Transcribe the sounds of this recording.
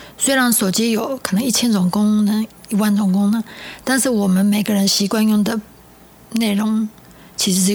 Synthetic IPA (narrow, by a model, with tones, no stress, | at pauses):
swe˥ɪɻa˧˥nso˨˩t͡ɕi˥jo˨˥ʊkʰɤ˨˩nɤ˧˥ŋi˥˩t͡ɕʰjɛ˥nt͡sʊ˨˩ŋkʊ˥ŋnə˧˥i˧˥wa˥˩nt͡sʊ˨˩ŋkʊ˥ŋnə˦t̪a˥˧nʂɻ̩˥˩wɔ˨˩mə˦nme˨˩ɪɡə˦ɻə˧˦˥nɕi˧˥kwa˥˧njʊ˥˩ŋd̪ə˩ | ne˥˩ɪɻʊ˧˥ŋ | t͡ɕʰi˧˥ʂ̩˧˥˧